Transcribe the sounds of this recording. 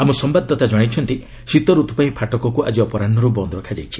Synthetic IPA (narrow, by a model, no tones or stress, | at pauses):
amusɔmbad̪ːɔt̪ad͡ʒɔɽ̃et͡ʃʰɔnt̪i | sit̪ɔɾut̪ɔpaĩpʰaʈɔkɔkua̰d͡ʒiɔpɔɾanːɔɾɔbɔnd̪ɾɔkʰad͡ʒajt͡ʃʰi̥